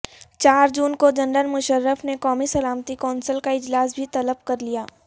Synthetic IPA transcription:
t͡ʃaːɾd͡ʒuːnkod͡ʒɐ̃nɖənmʊʃəɾːəfnekɔːmisɐlaːmt̪ikɔːnsəlkaɪd͡ʒlaːs̬bʱit̪ɐləb̚kɐɾlijaː

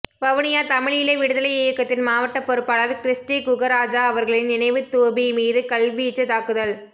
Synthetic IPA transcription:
ʋɐʋɐɳɪjaːt̪ɐmɪɻjɪleʋɪɽɯðɐlɐɪɪjɐkːɐt̪ːɪnmaːʋɐʈːɐpːɔɾɯpːaːlɐːðɯkɾɪsʈiːkʊɣɐɾaːd͡ʒaːɐʋɐɾɣɐɭɪnnɪnɐɪʋɯt̪oːbimiːðɯkɐlʋijɪt͡ʃːɐt̪aːkɯðɐl

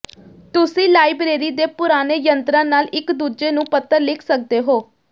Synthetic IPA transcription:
t̪ʊsĩːlaːibɾeːɾiːd̪eːpʊɾaːneːjənt̪ɾãːnaːlɪkd̪uːd͡ʒeːnũːpət̪əɾlɪkʰsək̚d̪eːɦoː

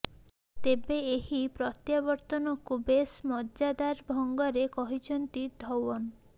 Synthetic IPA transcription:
t̪ebeeɦipɾɔt̪jabɔɾt̪ɔnɔkubesmɔd͡ʒad̪aɾbʱɔŋɡɔɾekɔɦit͡ʃʰɔnt̪id̪ʱɔwɔn

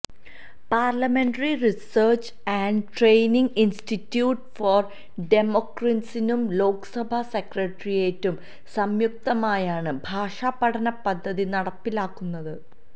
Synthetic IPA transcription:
paːrlɐme̞ɳɖɐririsɐːrt͡ɕ | æɳɖʈrejniŋɡinstitːjuːʈfoːr | ɖe̞mokrɐnsinumlo̞ːksɐbʱɐsekrɐʈrijeːtːum | sɐmjuk̚t̪ɐmaːjaːɳɨbʱaːʂaːpːɐɽʰɐnɐpɐd̪ʱːɐðinɐɽɐpːilaːkːunːɐðɨ

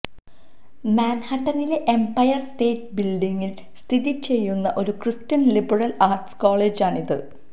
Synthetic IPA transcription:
maːnhɐʈːɐnile̞ʔempɐjɐrsʈe̞ːʈbilɖiŋːil | st̪ʰiðit͡ɕe̞jːunːɐʔo̞ɾukrɨstɐnlibɐrɐlaːrʈskoːɭeːd͡ʑaːɳiðɨ̰

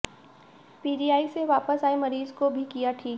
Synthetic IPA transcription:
piːɖijaːiseʋaːpəsaːemɐɾiːzkobʱikijaʈʰiːk

